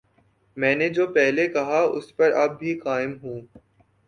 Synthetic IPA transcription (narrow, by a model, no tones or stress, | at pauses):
mɛ̃ːned͡ʒoːpɛɦlekɐɦaʊ̰spɐɾɐb̚ːʱikaːɪmɦũː